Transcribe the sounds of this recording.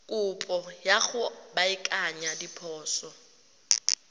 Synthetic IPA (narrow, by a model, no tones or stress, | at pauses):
kʼʊpʼɔjaɣʊbaɪkʼaɲadipʰɔːsɔ